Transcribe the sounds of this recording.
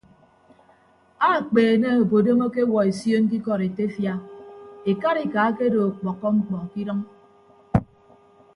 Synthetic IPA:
a˦˨k͡peː˨ne˦o˨bo˨do˦mo˦ke˦wɔ˨e˨sjo˦ŋ̩˦k̬i˦kɔ˨ɾe˨te˦fja˦e˨ka˦ɾi˦ka˨˦ke˦do˨k͡pɔ˨kːɔ˦ŋ͡m̩˦k͡pɔ˨ŋ˨ki˦ɾʌ˦ŋ

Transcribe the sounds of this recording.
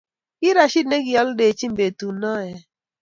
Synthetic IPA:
kɪ˦ɾa˨ʃi˦d̚ne˦ɡi˨ɔ˦lde˨t͡ʃi˦mbe˨tu˨nɔ˦˨jɛ˦

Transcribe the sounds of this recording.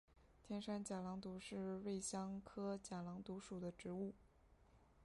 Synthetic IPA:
t̪ʰjɛ˥nʂa˥nt͡ɕja˨˩lɑ˧˥ŋt̪u˧˥ʂɻ̩˥˧we˥˩ɪɕjɑ˥ŋkʰɤ˥t͡ɕja˨˩lɑ˧˥ŋt̪u˧˥ʂu˨˩d̪ə˦ʈ͡ʂɻ̩˧˥u˥˩

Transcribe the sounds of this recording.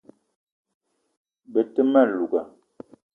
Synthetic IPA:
bə˨tə˦ma˦˨lu˨ɡa˨

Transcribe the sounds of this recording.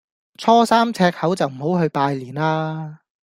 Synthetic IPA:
t͡sʰɔː˥saː˥mt͡sʰɛː˧k̚hɐ˨˥wt͡sɐ˨wm̩˨˩ɦo˨˥wɦɵ˧ɥpaː˧jliː˨˩naː˧

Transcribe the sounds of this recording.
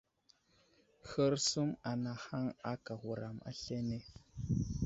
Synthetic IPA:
xə˦ɾsu˦ma˨na˨ha˦ŋa˦ka˨ɣu˨ɾa˨ma̰˦ɬe˦ne˦

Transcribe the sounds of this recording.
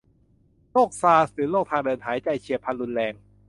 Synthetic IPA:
loː˥˩k̚saː˧sɾɯː˩˦loː˥˩k̚t̪ʰaː˧ŋdɤː˧nt̪ʰaː˩˦jt͡ɕa˧˩jt͡ɕʰi˧˩əpʰa˧nlu˧nlɛː˧ŋ

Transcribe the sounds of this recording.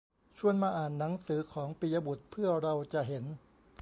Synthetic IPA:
t͡ɕʰu˧˩ənmaː˧ʔaː˨˩nːa˩˦ŋsɯː˩˦kʰɔː˩˦ŋpi˨ja˧bu˨˩t̪̚pʰɯ˥˩əɾa˧wt͡ɕa˨˩ʔɦe˩˦n

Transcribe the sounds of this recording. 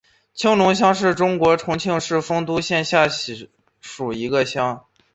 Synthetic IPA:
t͡ɕʰi˥ŋlʊ˧˥ŋɕ̬jɑ˥ŋʂɻ̩˥˩ʈ͡ʂʊ˥ŋkwɔ˧˥ʈ͡ʂʰʊ˧˥ŋt͡ɕʰi˥˧ŋʂɻ̩˥˩fɤ˥ŋt̪u˥ɕjɛ˥˧nɕja˥˩ɕ | ʂu˨˩i˧˥ɡə˧ɕjɑ˥ŋ

